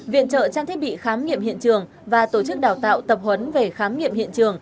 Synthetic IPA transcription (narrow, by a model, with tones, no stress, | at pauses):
vḭ˧˨ənt͡ɕə̰ː˧˨t͡ɕaː˧nt̪ʰi˦˥ə˥ɓḭ˧˨xaː˨˦mŋḭ˧əmhḭ˧˨ənt͡ɕɨ˨˩əŋ | vaː˨˩t̪o˧˩t͡ɕɨ˦˥k̚ɗaː˨˩wt̪a̰ː˧˨wt̪ə˨˩p̚hwə˨˦nve˨˩xaː˨˦mŋḭ˧əmhḭ˧˨ənt͡ɕɨ˨˩əŋ